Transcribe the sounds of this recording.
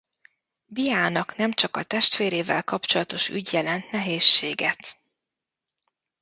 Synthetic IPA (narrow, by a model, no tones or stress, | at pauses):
bijaːnɒknɛmt͡ʃɒkɒt̪ɛʃt̪ʋeːɾeːvɛ̰lkɒpt͡ʃo̞lɒt̪o̞ʃy̰ɟjɛlɛnt̪nɛɦeːʃːeːɡɛt̪